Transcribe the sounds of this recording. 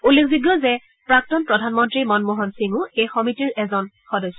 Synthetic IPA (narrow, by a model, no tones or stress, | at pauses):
ulːekziɡjɔzɛ | pɹak̚tɔnpɹɔdʱanmɔntɹimɔnmoɦɔnsiŋʊejxɔmitiɹɛzɔnxɔdɔsɔ